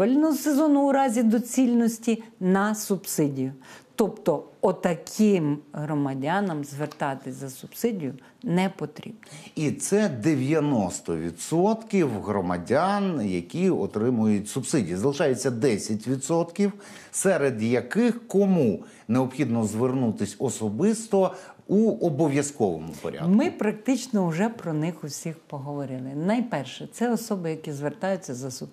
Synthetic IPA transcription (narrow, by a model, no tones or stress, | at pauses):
ɐlʲnɔɦɔsezɔnʊʊɾɑzʲid̪ɔt͡sʲilʲnɔsʲtʲinɐsʊbsɪdʲijʊt̪ɔpt̪ɔɔt̪ɐkʰɪmɦɾɔmɐdʲanɐmzʋert̪ɑt̪ɪzɐsʊbsɪdʲijʊ | nɛpɔt̪ɾʲḭbnɔit̪sɛd̪eʋʲjɐnɔst̪ɔ̰ʋʲḭd̪sɔt̪kʲiwɦɾɔmɐ̰dʲanjɐkʲiɔ̰t̪ɾɪmʊjʊtʲsʊbsɪdʲijizɐlˠɪʃɑjɛt͡sʲːɐd̪ɛsʲɐtʲʋʲid̪sɔt̪kʲiw | sɛɾed̪jɐkɪxkɔmu | neɔpxʲid̪nɔzʋernut̪ɪsʲɔsɔbɪst̪ɔuɔbɔʋʲjɐskɔʋɔmʊpɔ̰ɾʲa̰d̪mɪpɾɐk̚t̪ɪt͡ʃnɔʊʒɛpɾɔnɪxʊwsʲixpɔɦɔʋɔɾɪlˠɪnɐjpɛrʃɛt̪sɛɔsɔbɪjɐkʲizʋert̪ɑjʊt͡sʲːɐzɐsʊ